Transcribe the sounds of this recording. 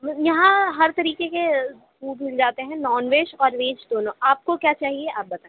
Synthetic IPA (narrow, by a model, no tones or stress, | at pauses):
jɐɦãɦɐɾt̪ɐɾiːkeke | kuːʈmɪld͡ʒaːt̪eɦɛ̃nɔːnʋeːʃɔːɾʋeːd͡ʒd̪oːnõaːp̚kokjaːt͡ʃaːɦieʔaːp̚bɐt̪ae